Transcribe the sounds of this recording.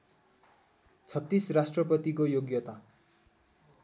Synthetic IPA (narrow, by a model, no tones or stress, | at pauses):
t͡sʰʌt̪ːisrasʈrʌpʌt̪ikojoɡjʌt̪a